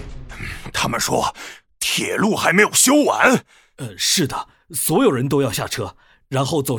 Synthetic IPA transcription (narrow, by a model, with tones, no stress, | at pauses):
t̪ʰa˥mə˨nʂwɔ̰˥ | t̪ʰjɛ˨˩lu˥˩xa˧˥ɪme˧˥ɪjo˨˩ʊɕjo˥ʊwa̰˧˥n | ə˧ʂɻ̩˥˩d̪ə˩ | swɔ˧˥jo˨˩ʊɻə˧˥nt̪̬o˥ʊjɑ˥˧ʊɕja˥˩ʈ͡ʂʰɤ˥ | ɻa˧˥nxo˥˧ʊt͡so˨˩ʊ